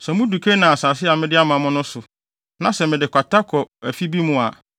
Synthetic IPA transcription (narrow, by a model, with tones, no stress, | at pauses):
sɛ˨mʊ̃˦du˨kʰe˦nã˨a˨sa˨s̬ɪ˦a˨mɪ̃˦dɪ˦a˦mã˨mʊ̃˦nʊ̃˦sʊ˨ | nã˦sɛ˨mɪ̃˨dɪ˨kʷa˨ta˦kʰɔ˨æ˨fi˦bi˦mʊ̃˨a˨